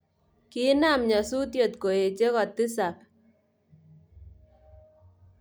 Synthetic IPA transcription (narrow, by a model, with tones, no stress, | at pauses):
ki˦na˦˨mɲa˨su˦t̪jo˨t̪ko˨e˨t͡ʃe˦kɔ˨t̪i˦sa˨p̚